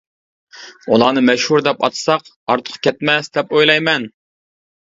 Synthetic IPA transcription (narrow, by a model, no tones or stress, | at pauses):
ulˠɑːnɨmɛʃhuɾd̪ɛpɑ̰t̪ʰsɑq | ɑɾt̪ʰʊ̥qʰkʲʰɛt̪mɛsd̪ɛpojlˠɑjmɛn